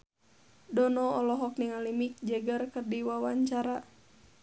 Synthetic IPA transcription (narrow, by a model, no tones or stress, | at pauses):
dɔnɔɔlɔɦɔk̚niŋalimik̚d͡ʒɛɡərkərdiwawaɲt͡ʃaɾa